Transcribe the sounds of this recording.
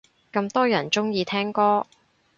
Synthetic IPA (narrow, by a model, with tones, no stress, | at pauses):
kɐ˧mt̪ɔː˥jɐ˨˩nt͡sʊ˥ŋjiː˨˧t̪ʰɛː˥ŋkɔː˥